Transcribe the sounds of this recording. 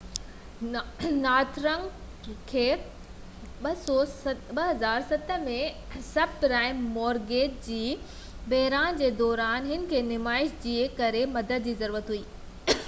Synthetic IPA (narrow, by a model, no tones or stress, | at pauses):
naːt̪ʰɾə̃ŋɡ | kʰeː | ɓɐsɔɓɐɦɐzaːɾsɐt̪ʰə̆mẽ | sɐb̚ɾaːɪmːɔːɾɡeːʈ̚d͡ʑiː | bɐɦɾaːnd͡ʑeːd̪ɔːɾaːnɦɪn̆kʰeːnɪmaːɪʃd͡ʑiekɐɾemɐd̪əd̪̚d͡ʑiːzɐɾuːɾət̪ɦuiː